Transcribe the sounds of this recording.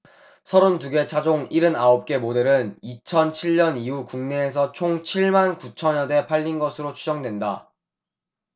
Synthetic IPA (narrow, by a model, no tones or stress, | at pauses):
sʰʌɾontuɡe̞t͡ɕʰad͡ʑoŋiɾɯnaop̚k͈e̞mode̞ɾɯnit͡ɕʰʌnt͡ɕʰiɭɲʌniukuŋne̞ːs̬ʰʌt͡ɕʰoŋt͡ɕʰiɭmankut͡ɕʰʌɲʌde̞pʰaʎːinɡʌsʰɯɾot͡ɕʰud͡ʑʌŋdwenda